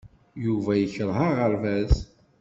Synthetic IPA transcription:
juvæjəçəɾˤɦaʁəɾvæz

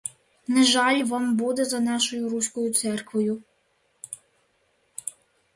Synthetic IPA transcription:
nɛʒɑlʲʋɑmbud̪ɛzɐnɑʃɔjʊɾusʲkɔjʊt̪sɛrkʋɔjʊ

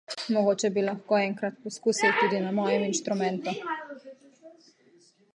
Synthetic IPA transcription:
mɔɡoːt͡ʃɛbilɐxkoːɛŋkɾat̪̚pɔskuːsilt̪uːd̪inamɔːjɛminʃt̪ɾumɛnt̪u

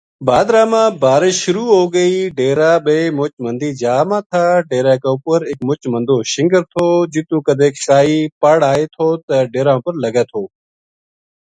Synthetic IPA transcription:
baːd̪ɾãːmãːbaːɾɪʃʊɾuːɦoːɡəiːɖeːɾaːɓeːmʊt͡ʃmənd̪iːd͡ʒaːmãːt̪ʰaːɖeːɾaːkaːʊpəɾɪkmʊt͡ʃmənd̪oːʃɪ̃ŋɡəɾt̪ʰoːd͡ʒɪt̪ũːkəd̪ʱeːkkaːiːpəɽaːeːt̪ʰoːt̪əɖeːɾãːʊpəɾləɡaːt̪ʰoː

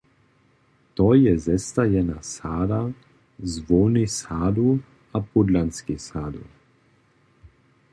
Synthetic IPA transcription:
t̪oːjɛzɛst̪ajɛnasaːd̪a | zʋoːnisaːd̪u | apud̪lanskisaːd̪ṵ

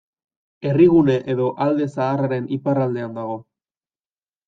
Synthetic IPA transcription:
e̞riɣ̞une̞ʔeðo̞ʔald̪e̞saːraɾe̞niparald̪e̞and̪aɣ̞o̞

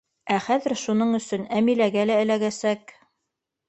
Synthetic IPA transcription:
æχæðɘ̆ɾʃunɤɴɵ̆sɵnæmilæɡælæɘ̆læɣæsæk

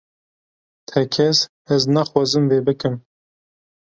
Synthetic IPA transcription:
t̪ʰɛkʰɛs | ɛznaxwɑːzɨmveːbɨkɨm

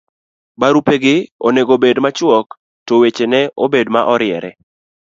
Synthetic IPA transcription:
baɾupeɡɪo̰neɡobedmat͡ʃwɔk | towet͡ʃenɛʔobedmaʔɔɾɪɛ̰ɾɛ

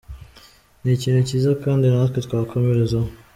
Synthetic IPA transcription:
nicinecizakaːndinatket̪kwaːkʰomeɾezo

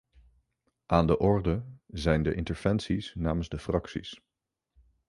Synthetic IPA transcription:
ʔaːndəʔɔɹdəzɛjndəʔɪntəɹv̥ɛnsisnaːmənzdəfrɑksḭs

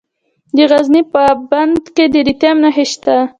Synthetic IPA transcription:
d̪əɣaznipəband̪ked̪əɾit̪jamnaɦeʃt̪a

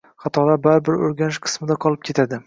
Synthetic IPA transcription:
χɑt̪ʰɒlabaɾbɪɾoɾɡʲanɪʃqʰɨ̥smɪd̪aqʰɒlˠɪp̚kʲʰe̞t̪ʰad̪ɪ

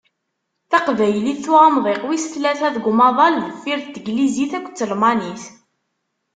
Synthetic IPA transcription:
θɑqvæjəliθθːʊɑmðˤeqwisə̥θlæθæðɡʷmɑðˤɑlðəfːiɾθt̪əɡliziθækʷːt͡sːəlmɑniθ

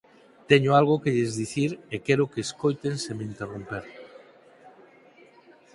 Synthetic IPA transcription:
t̪ɛɲʊalɣ̞okeʎezðiθiɾekɛɾʊkeːskojt̪ensemeint̪erompeɾ

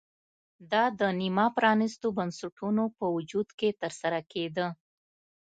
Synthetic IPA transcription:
d̪ɑd̪ənimɑpɾɑnɪst̪obansaʈunopəwʊd͡ʒud̪ket̪əɾsaɾaked̪ə

